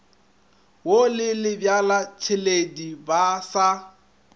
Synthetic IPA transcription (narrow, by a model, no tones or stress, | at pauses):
wolɪlɪbjalat͡ʃʰɪledibasa